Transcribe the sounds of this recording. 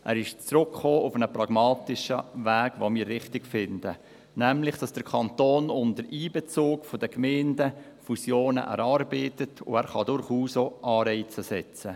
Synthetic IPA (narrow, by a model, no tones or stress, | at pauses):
ʔæ̰ːɾɪʃt͡srʊkχoːʊfənəprɑɡ̥mɑːtɪʃəvæːɡ̥ʋomɪːɾːɪχtɪɡ̥fɪndə | næmlɪχd̥ɑsd̥əkʰɑnt̪oːnʊndəɾʔiːbɛt͡soːkfod̥əkmɛɪndə | fusjoːnə̰ʔɛ̰ɾɑrbɛːtətʰʊ̰æːɾχɑdʊɾχuːsoːʔɑːɾɛɪt͡səsɛt͡sə